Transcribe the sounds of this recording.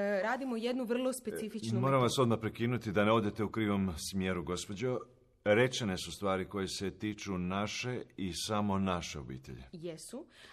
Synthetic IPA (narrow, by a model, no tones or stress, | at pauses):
ɾaːd̪imojed̪nuʋr̩lˠospesifit͡ʃnumo̞ːɾamʋaso̞d̪mapɾekiːnut̪id̪aneod̪e̞t̪e̞ukɾiːʋo̞msmje̞ːɾuɡo̞spo̞d͡ʑo | ɾe̞t͡ʃene̞sust̪ʋaːɾiko̞jese̞t̪iːt͡ʃunaʃe̞isamo̞naʃeo̞̰bḭːt̪e̞̰ʎḛjesu